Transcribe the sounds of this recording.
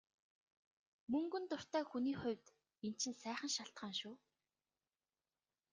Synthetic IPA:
mɵŋɡɵ̆nt̪ʊr̥t̪æːxuniːχʊ̟wʲt̪ | en̥t͡ɕʰɪ̆nsæːχə̆nʃaɬt̪χaːnʃuː

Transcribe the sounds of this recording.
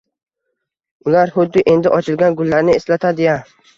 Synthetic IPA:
ʊlaɾhʊd̪ːɪʔe̞nd̪ɪʔɒt͡ʃʰɪlɡʲanɡʊlːaɾnɪeslat̪ʰad̪ɪja

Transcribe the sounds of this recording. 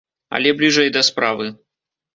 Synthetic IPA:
ɐ̰lʲɛblʲiʐɛjd̪ɐspɾavɨ

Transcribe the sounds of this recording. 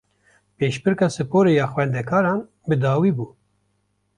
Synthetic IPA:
peːʃpɨɾkɑːsɨpoːɾejɑːxwɛnd̪ɛkʰɑːɾɑːn | bɨd̪ɑːwiːbuː

